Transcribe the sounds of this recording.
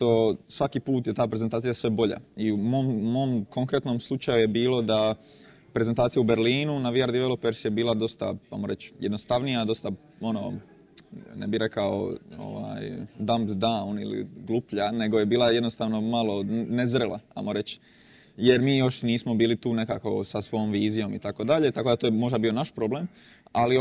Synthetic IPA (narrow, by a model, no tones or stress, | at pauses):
t̪osʋakiːpuːt̪jet̪aːpɾe̞zent̪aːt̪ijasʋe̞bo̞ʎa̰iumoːmumo̞ːmko̞ŋkɾet̪noːmslˠut͡ʃajuje̞biːlo̞d̪a | pɾe̞zent̪aːt̪sijaube̞ɾliːnunaʋiaɾd̪iʋelopeɾsjebiːlˠad̪o̞st̪a̰ajmoɾe̞t͡ɕjed̪nost̪aʋnijad̪o̞st̪a | o̞no | nḛbiɾe̞kao̰o̰ʋa̰jd̪amt̪d̪aunḭlḭɡlˠupʎane̞ɡo̞je̞biːlaje̞d̪nost̪aːʋno̞malˠo̞ne̞zɾelˠa̰a̰moɾe̞t͡ɕ | je̞ɾmiːjo̞ʃniːsmo̞biːlit̪uːneka̰ːko̞sasʋo̞jomʋiːzijo̞mit̪ako̞d̪aʎe̞t̪akod̪at̪oːjemo̞ʒd̪abiːo̞naʃpɾo̞blem | ali